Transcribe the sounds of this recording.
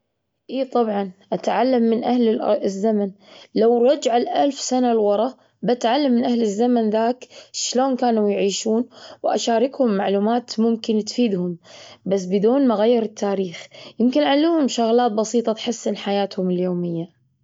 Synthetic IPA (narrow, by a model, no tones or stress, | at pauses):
ʔiːt̪ˤɑbʕɑnʔat̪ʕalːamːɪnʔahlzːaman | lawɾˤɑd͡ʒʕalʔalfsanalwɑɾˤɑ | bat̪ʕalːamːɪnʔahlɪzːamanðaːkʃloːnkaːnujʕiːʃuːnwʔa̰ʃaːɾɪkhʊmːaʕluːmaːt̪mʊmkɪnt̪fiːd̪hʊmbas̬ːbɪd̪uːnmaɣajːɪɾɪt̪ʰːaːɾiːxjɪmkɪnʕalːuːhʊmʃʊɣlaːt̪̚bɑsiːt̪ˤɑt̪ħɪsːɪnħajaːt̪hʊmɪljoːmɪjːa